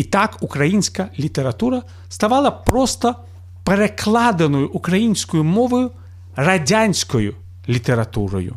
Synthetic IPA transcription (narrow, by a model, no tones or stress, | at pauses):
it̪akukɾɐjinʲsʲkɐlʲit̪eɾɐt̪uɾɐ | st̪ɐʋɑlˠɐpɾɔst̪ɔ | peɾeklˠɑd̪enɔjʊʔʊkɾɐjinʲsʲkɔjʊmɔʋɔjʊ | rɐdʲanʲsʲkɔjʊ | lʲit̪eɾɐt̪uɾɔ̰jʊ̰